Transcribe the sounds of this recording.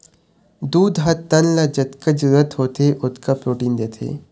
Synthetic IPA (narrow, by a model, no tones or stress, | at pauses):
d̪uːd̪ɦɐt̪ːɐnlad͡ʒət̪kəd͡ʒɾət̪ɦoːt̪ʰeʔʊt̪kapɾoːʈiːnd̪eːt̪ʰḛː